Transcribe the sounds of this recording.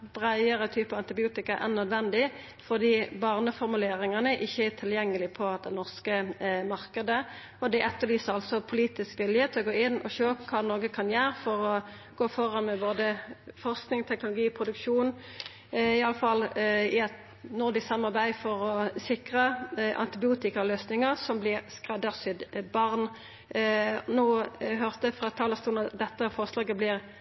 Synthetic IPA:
b̥ʁæɪəʁət̪ʰyːpəɑnt̪ɪbɪuːt̪ɪkɑʔæ̰nœd̪ʋɛnd̪ɪ | fɔʁd̪iːbɑːʁnəfɔɾmʉleːɾɪŋɑnəʔɪçːəæt̪ʰɪljɛŋːəlɪpʰɔɑt̪̚d̪ɛnɔʁskəmɑɾkəd̪ə | ɔd̪ɛʔɛt̪ːəlyːsəɾɑlsɔpʰʊliːt̪ɪskʋɪljət̪ʰɪlɔɡoːɪnːɔʃøːkʰɑːnoːɡəkʰɑnjæːɾfɔɾɔ | ɡ̥oːfɔʁɑnmɛboːd̪əfɔʁsknɪŋt̪ʰɛknʊlʊɡiːpʰʁʊd̪ʉkʃuːn | ɪɑlːəfɑlːɪɛt̪ | nɔd̪ɪsɑmːɑʁbæɪfɔʁɔsɪkʁəʔɑ̰nt̪ɪbɪuːt̪ɪkəløːsnɪŋəʁsɔmblɪʁskʁɛd̪əʁsʏd̪bɑʁn | noːɦøʁt̪əfʁɑt̪ʰɑːləst̪uːlnɑt̪d̪ɛt̪ːəfɔʁslɑːɡəblɪʁ

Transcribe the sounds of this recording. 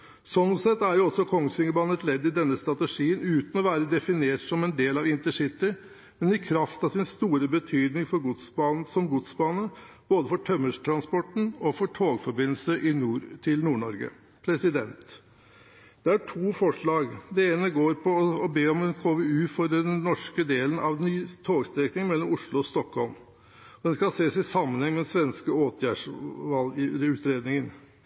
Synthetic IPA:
sɔnsɛt̪ːæɾjʊɔsɔkʰɔŋːsɪŋəbɑːnət̪lɛd̪ːɪd̪ɛnːəst̪ɾɑt̪əʂiːənʉːt̪n̩ɔʋæːɾəd̪ɛfɪneːʈsɔmɛnd̪eːlɑʋɪnt̪əʂɪt̪ːɪ | mɛnɪkʰɾɑft̪ɑʋsɪnst̪uːɾəbət̪ʰyːd̪nɪŋfɔɾɡʊt̪sbɑːnsɔmɡʊt̪sbɑːnə | b̥oːd̪əfɔʈʰœmːəʂt̪ʰɾɑnspɔʈɳ̩ɔfɔʈʰoːɡfɔɾbɪnl̩səʔɪnuːɾt̪ʰɪlnuːɳɔɾɡə̰ | pʰɾɛsɪd̪ɛnt̪ | d̪̥ɛæʈʰuːfɔʂɭɑːɡd̪ɛeːnəɡoːɾpʰɔɔbeːɔmd̪ɛnkʰoːʋɛʉːfɔɾəd̪ɛnːɔʂkəd̪eːlənʔɑʋnyːt̪ʰoːɡst̪ɾɛknɪŋmɛlːɔmʊʂɭʊɔst̪ɔkhɔlm | ɔd̪ɛnskɑseːsɪsɑmːənhɛŋmɛsʋɛnskəoːt̪ʰjæːʂʋɑlʉːt̪ɾeːd̪nɪŋən

